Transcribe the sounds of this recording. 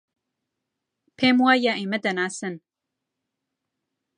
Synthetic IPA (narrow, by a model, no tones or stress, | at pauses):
pʰemwajaʔemɐd̪ɐnaːsɨn